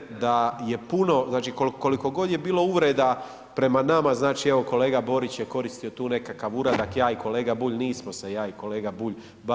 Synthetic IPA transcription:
d̪aje̞puno̞znaːt͡ʃikolko̞liko̞ɡo̞d̪je̞biːlˠo̞uʋɾe̞ːd̪a | pɾe̞manamaznaːt͡ʃie̞ʋo̞ko̞le̞ːɡabo̞ɾit͡ɕjeko̞ɾist̪io̞t̪uːne̞kakaʋuɾad̪akjaːiko̞leːɡabuːʎniːsmo̞sejaːiko̞le̞ːɡabuːʎ | ba

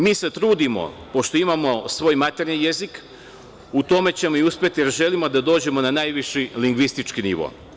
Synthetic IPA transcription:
miːse̞t̪ɾuːd̪imo̞̰po̞ʃt̪o̞imamo̞sʋo̞ːjmat̪e̞ɾnije̞zik | ut̪o̞me̞t͡ɕe̞mo̞iuspʲjet̪ije̞ɾʒe̞limo̞d̪ad̪o̞ːd͡ʑe̞mo̞nanajʋiʃiliŋɡʋist̪it͡ʃkinḭʋo̰

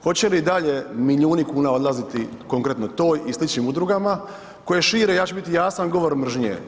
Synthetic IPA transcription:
xo̞t͡ɕe̞lid̪aʎe̞miʎʲuːnikuːnao̞d̪lazit̪iko̞ŋkɾe̞t̪no̞t̪oːjislit͡ʃɲimud̪ɾuɡama | ko̞je̞ʃiːɾejaːt͡ɕebit̪ijaːsanɡo̞ʋo̞ɾmr̩ʒɲḛː

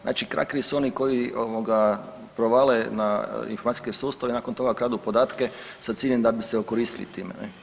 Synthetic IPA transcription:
zʔa̰ːt͡ʃikɾa̰kɾisuo̞niko̞jioʋoɡa | pɾoʋalenaḭnfoɾmat̪i̥skesuːst̪aʋenaːko̞nt̪o̞ɡakɾaːd̪upo̞d̪aːt̪ke | sat̪siːʎemd̪abiseokoɾiːst̪ilḭt̪ḭːmḛnɛ̰

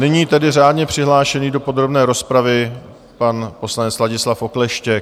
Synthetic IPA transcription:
nɪɲiːt̪ɛdɪr̝aːdɲɛpr̝̥ɪɦlaːʃɛniːdo̞po̞d̪ɾo̞bnɛːɾo̞spɾavɪ | panpo̞slaɲɛt͡slaɟɪslafʔo̞klɛʃcɛk̚

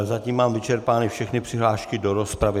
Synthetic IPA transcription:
zaciːmːaːmvɪt͡ʃɛɾpaːnifʃɛxnɪpr̥ɪɦlaːʃkɪdoɾospɾavɪ

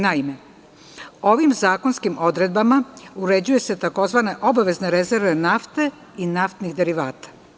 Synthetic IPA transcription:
naime̞ | o̞ʋimzaːko̞nskimʔo̞d̪ɾe̞d̪̚bamauɾe̞d͡ʑuje̞se̞t̪ako̞zʋane̞ʔo̞baʋe̞zne̞ɾe̞ze̞ɾʋe̞naft̪e̞ | inaft̪nixd̪e̞ɾiʋaːt̪ḁ

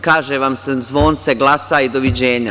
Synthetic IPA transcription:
kaːʒeʋamsezʋo̞ːnt̪seɡlˠaːsaid̪o̞ʋid͡ʑeːɲa

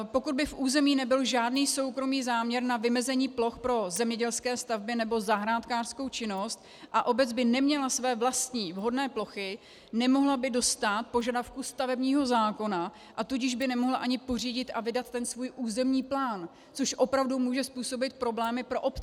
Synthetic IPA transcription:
po̞kud̪bɪfʔuːzɛmiːnɛbɪlʒaːdniːso̞wkɾo̞miːzaːmɲɛɾnavɪmɛzɛɲiːplo̞xpɾo̞zɛmɲɛɟɛlskɛːst̪avbɪnɛbo̞zaɦɾaːt̪kaːr̥sko̞wt͡ʃɪno̞st̪̚ | ʔaʔo̞bɛt͡sd͡zbɪnɛmɲɛlasvɛːvlast̪ɲiːvɦo̞dnɛːplo̞xɪ | nɛmo̞ɦlabɪdo̞st̪at̪̚po̞ʒadafkust̪avɛbɲiːɦo̞zaːko̞na | ʔat̪uɟɪʒbɪnɛmo̞ɦlaʔaɲɪpo̞r̝iːɟɪt̪ʔavɪdat̪ːɛnsvuːjʔuːzɛmɲiːplaːn | t͡soʃʔo̞pɾavdumuːʒɛspuːso̞bɪt̪̚pɾo̞blɛːmɪpɾo̞ʔopt͡sɛ

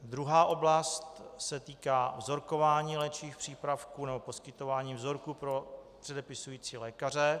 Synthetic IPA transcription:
d̪ɾuɦaːʔo̞blast̪sɛt̪iːkaːvzo̞ɾko̞vaːɲiːlɛt͡ʃiːxpr̝̥iːpɾafkuːnɛbo̞po̞skɪt̪o̞vaːɲiːvzo̞ɾkupɾo̞t̪r̥ɛdɛpɪsujiːt͡siːlɛːkarɛ

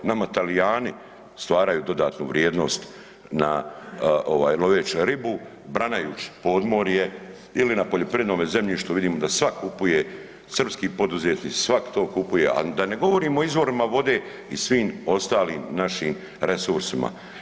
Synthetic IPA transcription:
namat̪alijaːni | st̪ʋaːɾajuːd̪o̞d̪aːt̪nṵʋɾjeːd̪no̞̰ːst̪ | na | ʔoʋa̰ːjlˠo̞ʋeːt͡ʃɾibu | bɾanajuːt͡ʃi̥po̞ːd̪mo̞ːɾje | ilinapo̞ʎo̞pɾiʋed̪noːmeze̞mʎiʃt̪oʋid̪iːmo̞d̪asʋakʰupuje | sr̩pskiːpo̞d̪uzeːt̪nit͡ssʋakt̪oːkupuje̞ʔa̰d̪ane̞ɡo̞ʋo̞ɾiːmoizʋo̞ɾimaʋo̞d̪e̞ | isʋiːmo̞st̪aːlḭːmnaʃiːm | ɾe̞suɾsima̰

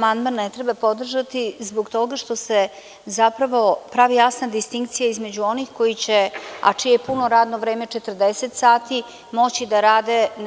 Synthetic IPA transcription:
mand̪manːet̪ɾebapo̞d̪r̩ʒat̪izboɡt̪o̞ɡaʃt̪o̞se | zapɾaʋo̞pɾaʋijasnad̪ist̪iŋk̚t̪sijaizme̞d͡ʑuo̞nixko̞jit͡ɕea̰t͡ʂijepuno̞ɾaːd̪no̞ʋɾe̞ːme̞t͡ʂet̪ər̩d̪eset̪saːt̪i | mo̞t͡ɕid̪aɾaːd̪en

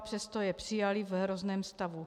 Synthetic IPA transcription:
pr̥ɛst̪ojɛpr̥ijalivɦɾoznɛːmst̪avu

